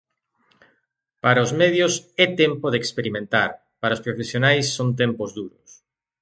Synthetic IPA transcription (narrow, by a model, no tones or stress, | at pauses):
paɾɐozmɛð̞jʊsɛt̪empoðekspeɾimẽnt̪a̰ɾ | paɾaɐospɾofesjonajsːont̪empozðuɾʊs